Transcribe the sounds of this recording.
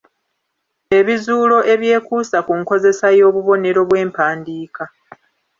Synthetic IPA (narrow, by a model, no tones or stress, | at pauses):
e̞βizuːlo̞ʔe̞βje̞ːkuːsakuŋko̞ze̞sajo̞ːβuβo̞ne̞ɾo̞βwe̞ːmpaːndiːka